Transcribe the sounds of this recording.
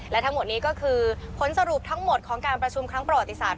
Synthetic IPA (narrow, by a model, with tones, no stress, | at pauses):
lɛ˦˥t̪ʰa˦˥mo˨˩t̪̚niː˦˥kɔː˥˩kʰɯː˧pʰo˩˦˥nsa˧ɾu˨˩p̚t̪ʰa˦˥ŋmo˨˩t̪̚kʰɔː˩˦ŋkaː˧npɾa˧t͡ɕʰu˧mkʰɾa˦˥ŋpɾa˧wa˨˩t̪ːi˦˥saː˨˩t̪̚